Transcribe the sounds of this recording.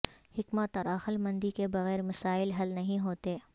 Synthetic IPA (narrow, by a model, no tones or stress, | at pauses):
hɪkmət̪ɔːɾɐxəlmɐ̃nd̪ikebɐɣɛːɾmɐsaːɪlɦɐlnɐɦĩɦoːt̪eː